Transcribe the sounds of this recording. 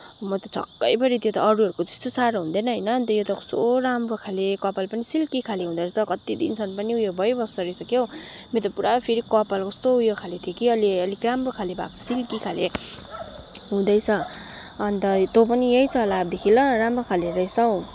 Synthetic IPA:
mʌt̪ʌt͡sʰʌ̰kːʌjpʌɾit̪jot̪ʌːɾuʌɾukot̪e̥st̪osaɾoɦũnd̪enʌɦʌjnʌːnt̪ʌjot̪ʌkʌ̥st̪oɾamrokʰalekʌpalpʌnisilkikʰaleɦũd̪ʌt͡sʰʌkʌt̪id̪ḭnt͡sʰʌnpʌniujobʱʌjbʱʌst̪ʌɾʌjsʌkjow | met̪ʌpuɾapʰeɾikʌpalkʌst̪oujokʰalet̪ʰiokiʌliʌlikramrokʰalebʱa̰k̚t͡sʰʌ̥silkikʰale | ɦũd̪ʌjt͡sʰʌː | nt̪ʌt̪op̬ʌnijejt͡sʌlab̚d̪ekʰilʌramrokʰaleɾʌjsʌw

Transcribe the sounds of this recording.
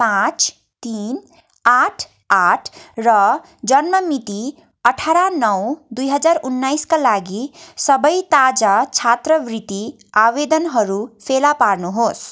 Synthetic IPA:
pãt͡s | t̪in | aʈʰ | aʈʰrʌ | d͡zʌnmʌmit̪i | ʌʈʰaɾanʌwd̪ujɦʌd͡zaɾunːajskalaɡisʌbʌjt̪ad͡zat͡ʃʰat̪rʌbrit̪i | abed̪ʌnɦʌɾupʰelapaɾnuɦos

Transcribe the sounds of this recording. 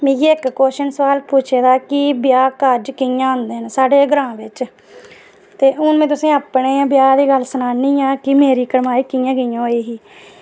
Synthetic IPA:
mẽːɡiːɪkːoːʃənsʋaːlpuːt͡ʃʰeːd̪aːkɪbɪjaːkəɾd͡ʒkɪjãːɦʊ̃nd̪eːnsaːɖeːɡɾãːbɪt͡ʃ | t̪eːʔʊnmẽːt̪̬ʊsĩːaːpnẽːbjaːd̪iːɡəlsənaːniːãːkɪmeːɾiːkəɾmaːiːkɪjãːɡəijãːeːɦiː

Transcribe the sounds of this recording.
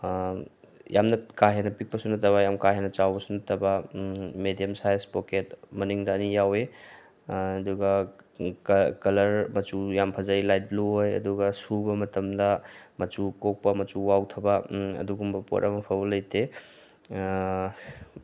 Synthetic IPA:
jamnɐkaɦenɐpik̚pɐsunɐtʰɐβɐjamkaɦenɐt͡ʃawbɐsunɐtʰɐbɐmedijɐmsajspoket̚mɐniŋdɐːnijawe | ɐduɡɐ | kkɐlɐɾmɐt͡ʃujampʰɐzailajt̚bluɦojɐ̰duɡɐsubɐmɐtɐmdɐmɐt͡ʃukok̚pɐmɐt͡ʃuwawtʰɐbɐɐ̰duɡumbɐpo̰ɾʔɐmɐpʰɐbɐlɐjtʰe

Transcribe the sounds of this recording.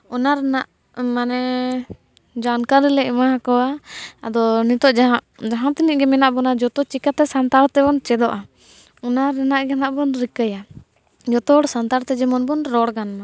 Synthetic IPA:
ɔnaɾɛnaʔ | manɛ | d͡ʒankaɾɛlɛɛmaakɔwaa̰d̪ɔnit̪ɔʔd͡ʒ | d͡ʒaɦãt̪iniʔɡɛmɛnaʔbɔnad͡ʒɔt̪ɔt͡ʃikat̪ɛsant̪aɾt̪ɛbɔnt͡ʃɛd̪ɔʔa | ɔnaɾɛnaʔɡanaʔbɔnɾikəja | d͡ʒɔt̪ɔɽsant̪aɾt̪ɛd͡ʒɛmɔnbɔnɾɔɽɡanːa

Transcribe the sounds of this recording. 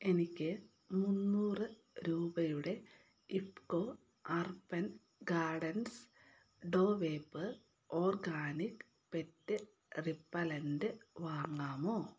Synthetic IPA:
e̞nikʲːɨ | munːuːrɨ | ɾuːbɐjuɽe̞ | ipkoː | ɐrpɐn | ɡaːɖɐns | ɖo̞ːʋeːpːɨ | o̞ːrɡaːnik | pe̞tːɨ | ripːɐlɐndɨʋaːŋːaːmo̞ː

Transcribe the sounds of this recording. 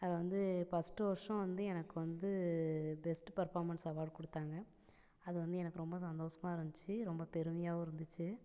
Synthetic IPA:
ɐðɐʋɐnd̪ɯpɐsʈːɯʋɐɾʂɐ̃ʋɐnd̪ɯɛnɐkːɯʋɐnd̪ɯbɛsʈpɐɾfaːɾmɐnsɐʋaːɖkɔɽɯt̪ːaːŋɡɐ | ɐðɯʋɐnd̪ɯɛnɐkːɯɾɔmbɐs̬ɐnd̪oːʂɐmaːɪɾɯnd̪ɪt͡ʃːɯɾɔmbɐpɛɾɯmɐjaːɐɪɾɯnd̪ɯt͡ʃːɯ

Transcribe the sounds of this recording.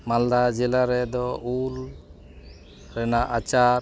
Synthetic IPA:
mald̪ad͡ʒɛlaɾɛd̪ɔul | ɾɛnaʔat͡ʃaɾ

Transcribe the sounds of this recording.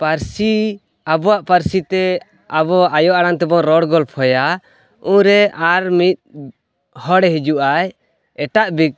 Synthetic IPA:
paɾsi | abɔwaʔpaɾsit̪ɛ | abɔajɔʔaɽaŋt̪ɛbɔŋɾɔɽɡɔlpʰɔja | ũɾɛaɾmit̪̚ | hɔɽɛɦid͡ʒuʔaj | ɛʈaʔbik̚

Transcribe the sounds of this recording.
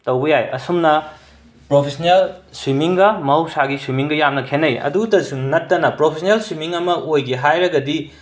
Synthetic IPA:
tɐwɡɐjajɐ̰sumnɐ | pɾopʰesɐnelswimiŋɡɐmɐɦɐwsaɡiswimiŋɡɐjamnɐkʰenɐjɐ̰duɡtɐsumnɐtːɐnɐpɾopʰesʰnelswimiŋɐmɐojɡiɦajɾɐɡɐdi

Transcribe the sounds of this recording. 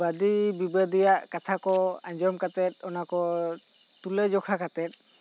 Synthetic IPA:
bad̪ibibəd̪ijaʔkat̪ʰakɔaɲd͡ʒɔmkat̪ɛt̪̚ɔnakɔ | t̪uled͡ʒɔkʰakat̪ɛt̪̚

